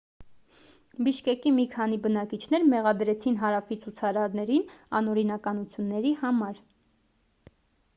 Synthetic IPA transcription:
biʃkɛkimikʰɑn̪ibənɑkit͡ʃʰn̪ɛɾmɛʁɑd̪ɾɛt͡sʰin̪ɦɑɾɑfit͡sʰut͡sʰɑɾɑɾnɛɾinɑ̰nɔɾinɑkɑnut͡sʰjunːɛɾihɑmɑɾ

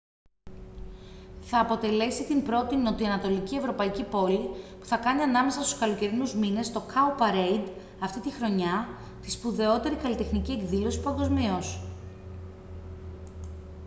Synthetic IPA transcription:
θɐːpo̞t̪e̞le̞sit̪imbɾo̞t̪ino̞t̪iɐnɐt̪o̞licie̞vɾo̞pɐicipo̞lipu̥θɐkɐniɐnɐme̞sɐst̪u̥skɐlo̞ce̞ɾinuzmine̞st̪o̞kɐupɐɾejd̪ | ɐft̪it̪ixɾo̞ɲɐ | t̪ispuðe̞o̞t̪e̞ɾikɐlit̪e̞xnicie̞kðilo̞si̥pɐŋɡo̞zmios

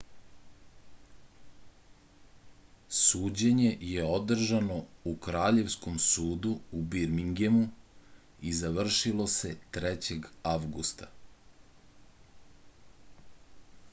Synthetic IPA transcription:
suːd͡ʑeɲe̞jeo̞d̪r̩ʒano̞ukɾaːʎe̞ʋsko̞msuːd̪uubiɾmiŋɡemu | izaʋr̩ʃilˠo̞se̞t̪ɾɛt͡ɕe̞ɡaʋɡust̪a

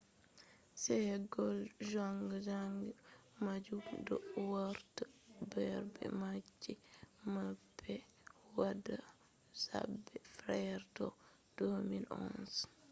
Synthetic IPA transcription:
sɛhɛɡɔlʒaŋɡzaŋɡmad͡ʒudɔwaɾtabɛɾbɛ̰mad͡ʒːimabːɛ | wada | sa̰bɛfɾɛɾdɔ | d̥omilɔ̰ns

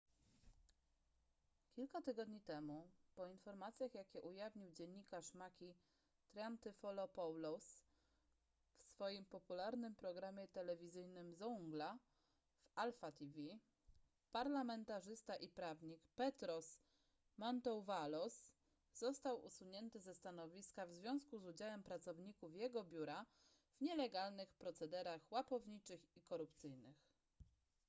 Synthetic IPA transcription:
kʲilkat̪ɘɡɔd̪ɲit̪ɛmupɔinfɔɾmat̪sʲjaxjakʲɛʔujavɲiwd͡ʑɛɲːikaʂmakʲi | t̪ɾant̪ɘfɔlɔpɔwlɔs | fsfɔjimpɔpulaɾnɘmpɾɔɡɾamʲjɛt̪ɛlɛvʲizɘjnɘmzɔuŋɡla | valfat̪ʲivʲi | paɾlamɛnt̪aʐɘst̪aʔipɾavɲikpɛt̪ɾɔs | mɔnt̪ɔwvalɔsː | ɔst̪awʔṵsuɲɛnt̪ɘzɛst̪anɔvʲiskavzvʲjɔ̃w̃skuzud͡ʑawɛmpɾat̪sɔvɲikufjɛɡɔbʲjuɾa | v̥ɲɛlɛɡalnɘxpɾɔt̪sɛd̪ɛɾaxwapɔvɲit͡ʂɘxikɔɾupt̪sɘjnɘx

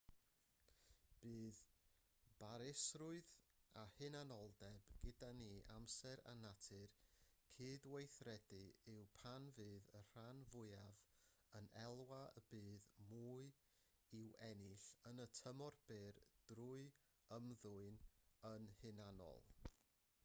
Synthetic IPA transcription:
b̥ɨːð | b̥aɾɪsrʊɨðahɨnanɔlˠdɛbɡ̥ɪdaniʔamsɛɾa̰natʰɨrkʰiːdwejθrɛdɨɪwpʰanvɨːðər̥anvʊɨav | ənɛlˠwaəbɨːðmuːɨ | ɪwɛnɪɬənətʰəmɔrb̥eːrd̥ruɨ | əmðʊɨnənhɨnanɔ̰lˠ

